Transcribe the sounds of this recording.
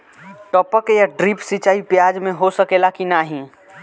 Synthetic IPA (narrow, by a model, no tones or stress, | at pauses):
ʈɔːpəkjaɖɾiːpsit͡ʃaːipjaːd͡ʒmẽɦosəkeːlakinaɦĩ